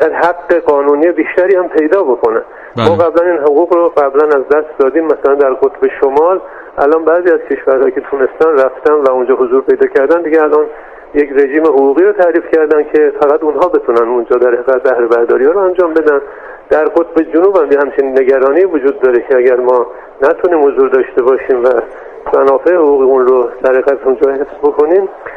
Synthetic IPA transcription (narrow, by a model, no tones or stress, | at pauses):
d̪̥æɾɦæɡːe̞ɡɒːnuːniːebiːʃt̪æɾiːhæmpʰe̞jd̪ɒːbo̞ko̞næ̰ | mmɒːɣæblæniːnɦoɣuːɣɾoɡæblænæzd̪æst̪d̪ɒːd̪iːmːæsælænd̪æɾqot̪be̞ʃomɒːl | ʔælʔɒːnbæːziːæz̥cʰe̞ʃvæɾhɒːjicʰe̞t̪ʰune̞st̪ænræft̪ænvæund͡ʒɒːɦozuːɾpʰe̞jd̪ɒːcʰæɾd̪ænd̪iɡeælʔɒn | jekɾe̞ʒiːmehoɣuːɣiːɾoːt̪ʰæɾiːfcʰæɾd̪æncʰe̞fæɣæd̪unɦɒːbe̞t̪ʰunænund͡ʒɒːd̪æɾheɣæt̪bæhɾe̞bæɾd̪ɒ̰ːɾihɑːɾoænd͡ʒɒːmbe̞d̪æn | d̪̥æɾɡot̪̚ʰbe̞d͡ʒonuːbæmjehæmt͡ʃʰeninːe̞ɡæɾɒːniːvod͡ʒuːd̪̚ːɒːɾecʰeæɟæɾmɒː | næt̪ʰuniːmhozuːɾd̪ɒːʃt̪e̞bɒːʃiːmvæ | mænɒːfe̞ehoɣuːɣiunɾod̪̥æɾheɣæt̪ʰund͡ʒɒːhe̞fz̥bo̞kʰo̞niːm